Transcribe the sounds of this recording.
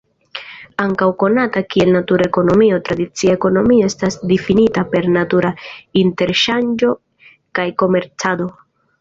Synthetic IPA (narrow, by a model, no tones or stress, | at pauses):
aŋkawko̞natakie̞lnatuɾaeko̞no̞mio̞tɾadit͡siaeko̞no̞mioe̞stasdifinitape̞ɾnatuɾainte̞ɾʃand͡ʒo̞ | kajko̞me̞ɾt͡sado̞